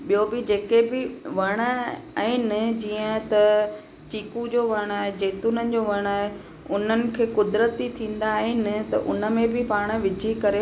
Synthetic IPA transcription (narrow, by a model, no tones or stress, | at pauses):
ɓijobɪd͡ʑeːkebɪʋɐɽ̃əɛ̃ːnɪd͡ʑiːə̃t̪ɐ | t͡ɕiːkud͡ʑoːʋɐɽ̃aːɦed͡ʑeːt̪ʊnənɪ̆d͡ʑoːʋɐɽ̃aːɦe | ʊnənɪ̆kʰeːkʊd̪ɾət̪it̪ʰĩːn̆d̪aːɦenɪt̪ɐ̰ʔʊ̰nə̆mẽbʱɪpaːɽ̃ʋɪd͡ʑʱikɐɾe